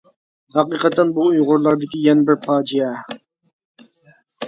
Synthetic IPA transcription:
hɑqiːqɑt̪ʰːɛnbuujʁʊɾlˠɑɾd̪ɪkʲijɛnɪbɪɾpʰɑːd͡ʒijɛ

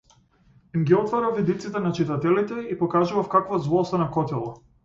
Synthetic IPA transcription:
imɡʲiɔt̪vɔɾavid̪it̪sit̪ɛnat͡ʃit̪at̪ɛlit̪ɛipɔkaʒuvafkakvazvˠɔst̪anakɔt̪ilˠɔ

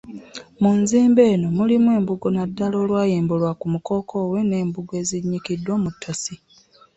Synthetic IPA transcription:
munziːmbe̞ːno̞mulimwe̞ːmbuɡonadːalo̞ːlwaːjeːmbulwakumuko̞ːkʰo̞ːwe̞ne̞ːmbuɡwe̞ːziɲːikidːwoːmutʰːasi

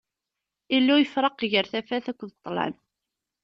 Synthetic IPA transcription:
ilːujəfɾˤɑqʝəɾθæfæθækʷːðət̪ˤːlæ̰n

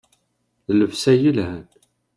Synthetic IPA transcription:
ləfsæjəlhæn

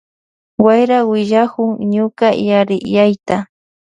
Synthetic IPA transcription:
wajɾawɪʎakʊŋɲʊkajaɾɪjajt̪a

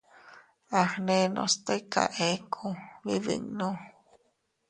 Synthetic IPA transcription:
axnenõ̰st̪ejka̰ʔekʰoβiβḭŋnõ

